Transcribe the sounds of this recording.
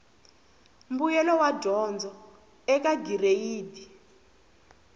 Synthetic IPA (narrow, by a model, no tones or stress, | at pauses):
mbujɛlɔwadʱɔnd͡zɔ | ɛk̬aɡireiːdi